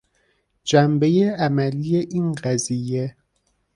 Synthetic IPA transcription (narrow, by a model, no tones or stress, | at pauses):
d͡ʒæmbejeæmælijeʔiːnɢæzije